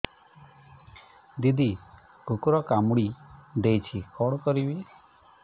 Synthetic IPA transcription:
d̪id̪i | kukuɾɔkamuɽid̪ejt͡ʃʰikɔɽ̃kɔɾibi

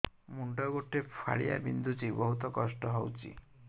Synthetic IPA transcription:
muɳɖɔɡoʈːepʰa̰ɭḭja̰bind̪ʱut͡ʃibɔɦut̪ɔkɔsʈɔɦɔwt͡ʃḭ

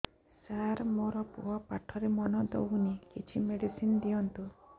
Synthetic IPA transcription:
saɾmoɾɔpṵɦɔpaʈʰɔɾemɔnɔd̪o̰wnikit͡ʃʰimeɽisind̪ijɔnt̪u

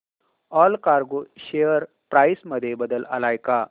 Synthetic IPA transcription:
ɔlkaɾɡoʃejəɾ | pɾajsməd̪ʱjebəd̪ələ̰laːjka

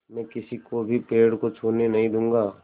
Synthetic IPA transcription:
mɛ̃ːkɪsikobʱipeːɽkot͡ʃʰoːnenɐɦĩd̪ũːŋɡaː

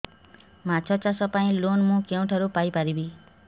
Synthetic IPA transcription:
mat͡sʰʌt͡sasʌpaĩlonmũkew̃ʈʰʌɾupajpaɾibi

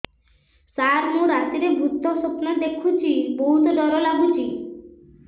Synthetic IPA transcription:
saɾmuɾat̪iɾebʱut̪ːosopnad̪ekʰut͡ɕʰiboɦut̪od̪ɔɾolabʱut͡ɕi

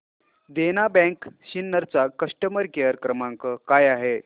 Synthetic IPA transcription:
d̪enabɛ̃kɕinːəɾt͡sakəʂʈəməɾkeəɾkɾəmaŋkəkajaɦe

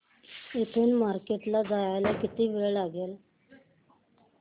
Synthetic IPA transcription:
et̪ʰuːnmaɾkeʈlad͡zajajlakit̪iːʋeɭɭaɡeːl

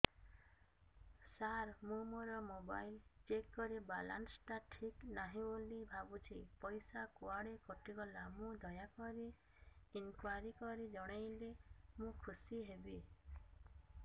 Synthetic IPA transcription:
saɾmũmoɾɔmoba̰jlt͡ʃekːɔɾibala̰nsʈaʈʰiknaɦĩulibʱabut͡ʃʰipɔjsakuaɽekɔʈiɡɔlamũd̪ʱɔjakɔɾi | inkwaɾikɔɾid͡ʒɔɽ̃ejlemũkʰusiɦebi

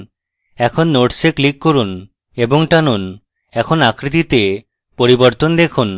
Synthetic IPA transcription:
ɛkʰonːoʈseklikːoɾun | eboŋʈanun | ɛkʰonakɾit̪̬it̪e | poɾiboɾt̪ond̪ekʰun

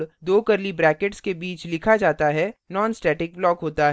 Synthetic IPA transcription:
ɽd̪oːkɐɾlibɾɛːkeʈskebiːt͡ʃlɪkʰad͡ʒaːt̪aɦɛnɔːnsʈɛːʈɪk̚blɔːkɦoːt̪aɦ

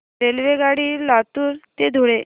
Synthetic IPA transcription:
elʋeɡaɽiːlat̪uːɾt̪ed̪ʱoɽe

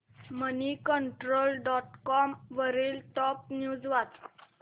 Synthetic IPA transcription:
mənikəɳʈɾoːlɖɔʈkɔmʋəɾiːlt̪ɔp̚njuːd͡zʋat̪

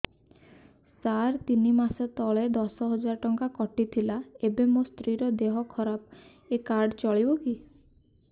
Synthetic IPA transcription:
saɾt̪inimaset̪ɔɭed̪ɔsɔɦɔd͡ʒaɾɔʈɔŋkakɔʈit̪ʰilaebemost̪ɾiɾɔd̪eɦɔkʰɔɾap | ekaɾɖt͡ʃɔɭibɔki

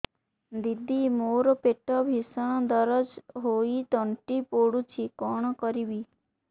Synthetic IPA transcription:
d̪id̪imoːɾpeʈɔbʱisəñɔd̪ɔɾəd͡ʒɦoit̪ɔɳʈipoːɽut͡ʃʰikɔɳ̃kɔɾibi

